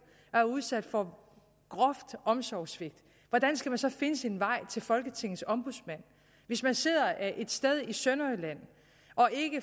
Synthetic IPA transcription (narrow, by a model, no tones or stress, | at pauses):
æɐuðˠsæd̥fɒ̽ | ɡ̥ʁɒfd̥ʔɒ̽msɒʊ̰sʋe̝ɡ̥̚d̥ | ʋɒd̥ænsɡ̥æmænsɒ̽fe̝nəse̝nʋɑ̈ɪ̰t͡sʰe̝lfɒ̽lɡ̥ət͡sʰe̝ŋ̰ð̩ˠsɒ̽mb̥uðˠsmæn̰ | ʋe̝smænse̝ð̰ˠɐʔæʔe̝d̥sd̥eð̞ˠisønɒɪlæn̰ | ʔɒ̽ʔe̝ɡ̥ə